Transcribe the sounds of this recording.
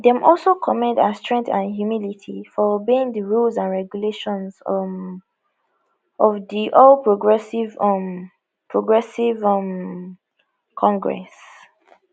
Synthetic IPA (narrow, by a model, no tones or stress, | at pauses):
dɛ̃mʔɔlˠsokʰɔmɛ̃ndastɹɛ̃ŋk̚θãnhjumilitʰifɔobeĩŋdəɹulzãnɹɛɡjuleʃɔ̃nz | ɔvdiʔɔlpɹoɡɹɛsivm | pʰɹoɡɹɛsivʌm | kʰɔ̃ŋɡɹɛ̰s